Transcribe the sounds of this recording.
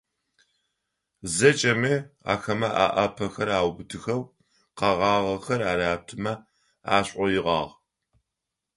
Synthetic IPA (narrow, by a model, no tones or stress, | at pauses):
zɐt͡ʃʼɐmiːa̰ːxɐmɐʔa̰ʔɐpʰɐxɐɾaːwbɨtʰɨxɐw | qɑʁɑːʁɐxɐraːɾaːtʰɨmɐ | aːɕʼɔjɪʁɑ̰ːʁ